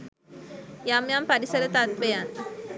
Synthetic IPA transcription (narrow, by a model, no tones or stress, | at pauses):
jamjampaɾisəɾət̪at̪ʋejan